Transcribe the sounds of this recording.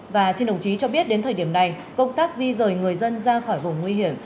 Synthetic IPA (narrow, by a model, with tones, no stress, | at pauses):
vaː˨˩si˧nɗə˨˩wŋ͡mt͡ɕi˨˦t͡ɕɔ˧ɓi˦˥ət̚ɗe˨˦nt̪ʰəː˨˩ɗi˧˩əna˨˩j | kə˧wŋ͡mt̪aː˦˥k̚zi˧zəː˨˩jŋɨ˨˩əjzə˧nzaː˧xɔ˧˩jvʊ˨˩wŋ͡mŋwi˧ɦi˧˩əm